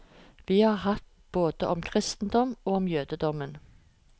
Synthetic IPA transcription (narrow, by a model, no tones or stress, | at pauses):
ʋiːhɑːʁhɑt̪ | b̥oːd̪əʔɔmkʰʁɪst̪n̩d̪ɔmoːɔmjøːd̪əd̪ɔmən